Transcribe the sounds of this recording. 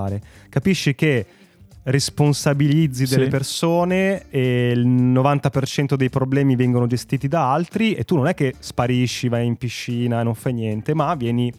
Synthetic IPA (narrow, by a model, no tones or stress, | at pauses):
ɾekapiʃːike | responsabilid̪zːid̪elːepersoːneelnovant̪apert͡ʃɛnt̪od̪ejpɾoblɛːmivɛŋɡonod͡ʒest̪iːt̪id̪aalt̪ɾiet̪ːunːonɛk̟ːespaɾiʃːivajimpiʃːiːnaenːoɱfajnjɛnt̪emavːjɛːni